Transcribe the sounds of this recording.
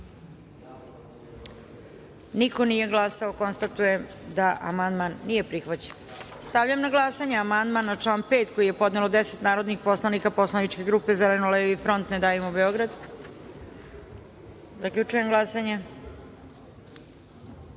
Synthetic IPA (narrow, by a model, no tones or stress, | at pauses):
niko̞nije̞ɡlˠasao̞ko̞nst̪at̪ujemd̪aʔa̰mand̪manːije̞pɾixʋat͡ɕe̥nst̪aʋʎamnaɡlˠasaɲeamand̪manːat͡ʂlˠaːnpe̞ːt̪ko̞jije̞po̞d̪nelod̪eset̪naːɾod̪nixpo̞slˠanikapo̞slˠanit͡ʃke̞ɡɾuːpe̞zelenoleʋifɾo̞nt̪ned̪aːjimobe̞o̞ɡɾad̪ | zakʎʲut͡ʃuje̞mɡlˠasaɲa